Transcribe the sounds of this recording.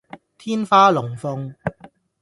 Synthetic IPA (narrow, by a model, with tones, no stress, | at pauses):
t̪ʰiː˥nfaː˥lʊ˨˩ŋfʊ˧ŋ